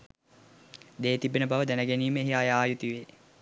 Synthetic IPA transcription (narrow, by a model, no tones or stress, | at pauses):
d̪eːt̪ibenəbaʋəd̪ænəɡeniːməeɦiajaːjut̪iʋeː